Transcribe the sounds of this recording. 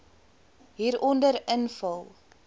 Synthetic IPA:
ɦiːɾʔɔndəɾənfɐlˠ

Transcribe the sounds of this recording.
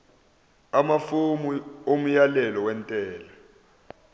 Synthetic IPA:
amafomuom̩jalɛlɔwɛntʼɛːla

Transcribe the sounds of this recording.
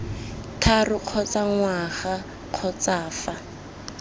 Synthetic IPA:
tʰarʊq͡χʰɔt͡saŋwaχa | q͡χʰɔt͡saːfa

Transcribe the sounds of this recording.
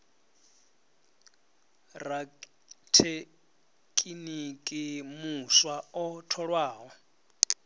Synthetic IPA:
ra | tʰe | kʼinikʼimuswaɔtʰɔɺwaːɦɔ

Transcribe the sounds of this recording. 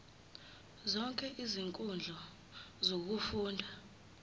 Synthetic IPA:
zɔŋkʼɛʔiziŋkʼund͡ɮʱɔ | zok̬ufuːndʱa

